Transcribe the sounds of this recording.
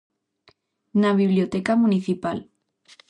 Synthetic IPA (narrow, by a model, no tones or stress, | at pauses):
naβiβljot̪ekamuniθipal